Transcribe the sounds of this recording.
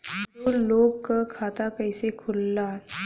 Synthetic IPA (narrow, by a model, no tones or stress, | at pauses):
oloːɡkakʰaːt̪apɛɪsekʰʊlːa